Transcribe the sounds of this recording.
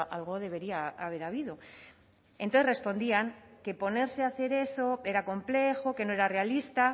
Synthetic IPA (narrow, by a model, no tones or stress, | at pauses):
ʔalɣ̞oðe̞β̞e̞ɾiaaβ̞e̞ɾaβ̞iðo̞ | ent̪oθere̞spo̞nd̪iaŋke̞po̞ne̞ɾse̞aθe̞ɾe̞so̞e̞ɾako̞mple̞xoke̞noe̞ɾare̞alist̪a